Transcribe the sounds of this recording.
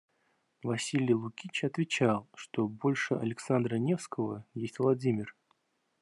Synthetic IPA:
vɐsʲilʲɪjlˠʊkʲit͡ɕɐt̪vʲɪt͡ɕalˠʂt̪o̞bo̞lʲʂɨɐ̰lʲɪksand̪ɾənʲe̞fskəvəjesʲtʲvlˠɐdʲimʲɪr

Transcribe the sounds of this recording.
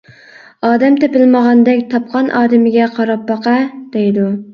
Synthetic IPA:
ɑːd̪ɛmt̪ʰɪpɪlmɑʁɑnd̪ɛkʲt̪ʰɑp̚qʰɑnʔɑːd̪ɪmɪɡʲɛqʰɑɾɑp̚bɑqɑd̪̥ejd̪u

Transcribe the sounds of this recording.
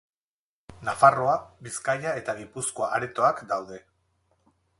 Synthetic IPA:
nafaro̞abiskajae̞t̪aɣipusko̞aʔːɾet̪o̞akd̪awðe̞

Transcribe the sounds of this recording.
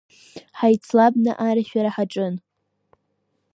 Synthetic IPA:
ħajt͡sʰlabnɨ̰ʔaɾaʃᶣaɾaħaʈ͡ʂʼɨn

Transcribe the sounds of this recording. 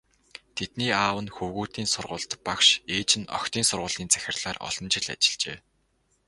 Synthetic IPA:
t̪ʰet̪̚niːaːwə̆nxɵwɣuːt̪iːnsʊrʁʊːɬt̪pakʃeːt͡ɕɪ̆nɔ̰kt̪iːnsʊrʁʊːɮiːnt͡sæ̥xʲɪ̆rɮ̥aːrɔ̰ɮ̥ɞ̆mt͡ɕɪ̆ɮa̰t͡ɕɪ̆ɮt͡ɕḛː

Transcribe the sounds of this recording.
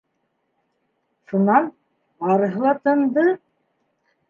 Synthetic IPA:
ʃunɑn | ɑɾɤ̆ɦɤ̆lˠɑt̪ɤ̆nd̪ɤ

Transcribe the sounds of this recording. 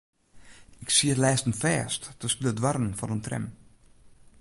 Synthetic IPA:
ɪksiətlɛːstənfɛːstːəspylədwaɾn̩fɔnəntrɛ̰m

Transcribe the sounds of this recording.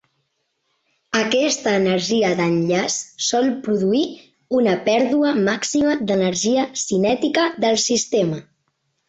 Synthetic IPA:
əkɛst̪əːnəɾʒiədənʎassɔlˠpɾuðui | unəpɛɾðuəmaksiməd̪ənəɾʒiəsinɛt̪ikəðəlˠsist̪emə

